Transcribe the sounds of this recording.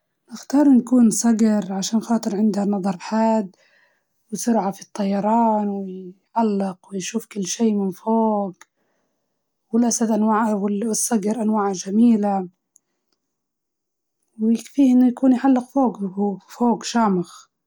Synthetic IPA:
nɪxt̪ɑːɾˤɪnakuːnsˤɑɡɾʕaʃaːnxɑːt̪ˤɨɾʕɪnd̪hanɑðˤɑɾˤħaːd̪ | wɪsʊɾʕafit̪ˤːɑjːɑɾˤɑːnwɪʕalːɪqwɪjʃuːfkɪlːʃeːmɪnfoːɡ | wɪlʔasad̪ʔanwaːʕwɪɪsˤːɑɡɑɾʔanwaːʕʒamiːla | wjɪkfiːhʔɪnːʊjakuːnjħalːɪqfoːɡfoːɡʃaːmɪx

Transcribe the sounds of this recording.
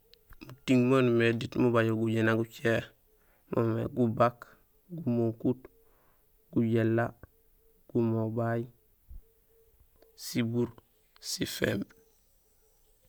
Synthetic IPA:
mutiŋmonmeditmubaɟulɡuɟenaɡut͡ʃe | mʔomḛɡubak | ɡumoŋkut | ɡ̥uɟelːa | ɡ̥umobaji | sibuɾ | sifḛmb

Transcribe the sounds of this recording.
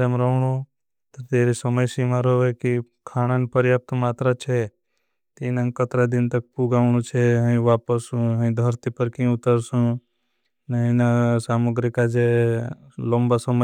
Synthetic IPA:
emɾəɳo | t̪əɾt̪eːɾisəməjsimaɾoʋeki | kʰaːɽ̃anipəɾjaːp̚t̪maːt̪ɾat͡ʃʰe | t̪inaŋkət̪ɾad̪ɪnt̪ək̚puɡaːʋɳ̃ũt͡ʃʰeɦəĩʋaːpəsũɦə̃ĩd̪ʱəɾt̪ipəɾkĩʊt̪əɾsũ | neɦĩnasaːmuɡɾikad͡ʒe | loːmbasəmə

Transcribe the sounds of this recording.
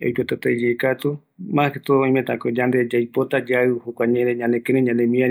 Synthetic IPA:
ejd͡ʒot̪et̪aed͡ʒeːkat̪u | mãhet̪ooj̃mẽt̪a̰kod͡ʒand̪ed͡ʒajpot̪ad͡ʒaɨhokʷaɲẽɾeɲãnekeɾeɲãnemĩã

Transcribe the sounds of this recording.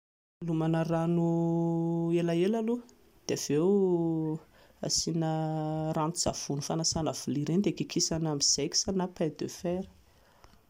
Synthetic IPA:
lumanəranu | elaelalu | d̪̥eav̥ew | a̰sinərant̪uz̥a̰v̥unufanasanav̥uliɾend̪ekikʰisanamiz̥eki̥sanapad̪øfeɾə̥

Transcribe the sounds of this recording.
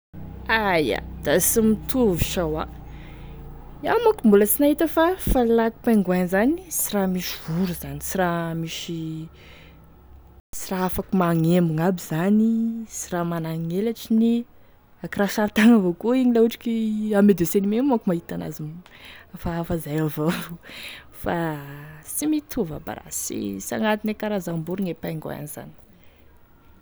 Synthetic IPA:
aja̰d̪asimit̪ʰuviʃawa̰ | iamakumbulət͡sinaɦit̪əfafalaku̥peŋɡuanzanit͡siramiʃivuɾuzanisiramiʃi | t͡siraafakumaŋembuŋabiz̥anit͡siramanaŋelaʈ͡ʂini | akiraʃaɾit̪aŋavokuiɲilauʈ͡ʂi̥kiamed̪esenimemakumaɦit̪ana̰zim | faːfazajavav | fa | simit̪ʰuva̰ba̰ɾa̰sḭsa̰ŋat̪inekaɾazambuɾiŋepaŋɡo̰a̰niz̥a̰ni̥

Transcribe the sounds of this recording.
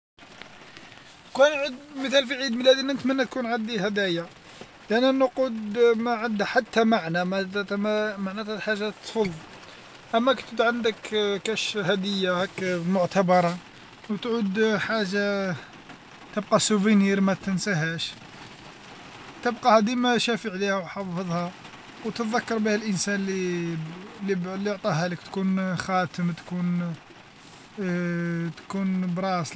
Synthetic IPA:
kænʕid̪məθælfiʕid̪məlæd̪inənət̪mənːæt̪̚kunʕad̪ihæd̪æja | lʔænːænʊqud̪mæʕand̪ħat̪ːæmaʕnæm | maʕnæt̪hæħaʒːat̪fɑlˤː | ʔəmːækt̪ət̪ʕand̪əkkæʃhæd̪əjːahækmʊʕt̪abɑɾˤɑ | wt̪ʕud̪ħaʒːa | t̪əb̚qɑsuviniɾmæt̪ənsæɦæʃ | t̪əbqɑhæd̪imæʃæfəʕlihæwħɑfəðˤhɑ | wt̪ət̪ðækːɑɾˤbihəlʔənsænli | liblːiʕt̪ˤiɦæləkt̪kunxæt̪əmt̪kun | t̪kunbɾˤɑs

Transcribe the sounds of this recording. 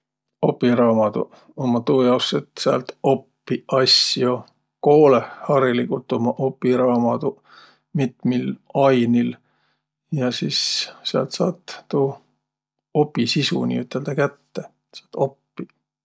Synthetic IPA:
opːiɾɑːmɑd̪̥ṵ | omːɑt̪uːjɑwset̪seɑ̰lt̪o̞pːiʔɑsjo | ko̞ːlehhɑɾilikut̪ːˑomɑʔo̞pːˑiɾɑːmɑd̪̥u | mit̪milɑjnil | jɑsisseɑ̰lt̪sɑ̰ːt̪t̪uː | o̞pːisisṵnḭyt̪ːˑeld̪̥ɑkæt̪ːe | sɑlt̪ːˑo̞pːi

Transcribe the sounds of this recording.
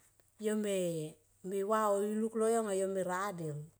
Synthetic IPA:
jome | miwaouluklojoŋajomiɾadil

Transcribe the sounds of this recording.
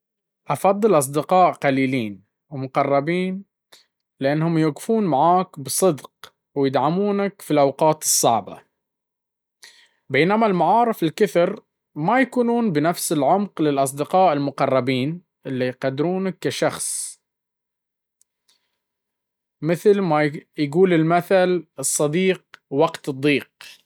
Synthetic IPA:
ʔɑfɑd̪ˤːɨlʔɑs̬ˤd̪ɪqɑːʔqaliːliːn | wmʊqɑrˤːɑbiːn | lɪʔanːhʊmjʊɡfuːnmaʕaːkbɨsˤɨd̪q | wjɪd̪ʕamuːnakfilʔawqɑːt̪ɨ̥sˤːɑʕba̰ | beːnamalmʊʕɑːɾˤɨfɪlkʊθɾ | majakuːnuːnbɪnafsɪlʕʊmqlɪlʔɑs̬ˤd̪ɪqɑːʔɪlmʊqɑrˤːɑbiːn | ʔɪlːijqɑd̪ɾuːnakːaʃɑxsˤ | mɪθlmajɡuːlɪlmaθalɨsˤːɑd̪iːq̚wɑɡt̪ɨd̪ˤːiːq̚

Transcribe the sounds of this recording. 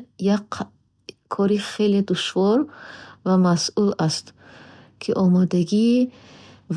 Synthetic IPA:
jak | kʰːɔɾiχeled̪uʃvɔɾvamasulast̪ | kʰiʔɔmɔd̪aɡi | v

